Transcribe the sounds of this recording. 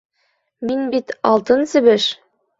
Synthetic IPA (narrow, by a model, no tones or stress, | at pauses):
minbit̪ɑlˠt̪ɤnsɘ̆βɘʃ